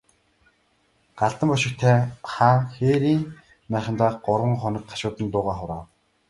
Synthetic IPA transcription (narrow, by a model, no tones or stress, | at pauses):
ɢ̥aɮt̪ə̆mpɔʃɪ̆kt̪ʰæːχaːŋxeːɾiːŋ | mæːχʲɪ̆nt̪aːqɢʊɾwə̆ŋχɔnə̆kχḁʃʊːt̪ə̆nt̪ʊːʁaːχʊɾaː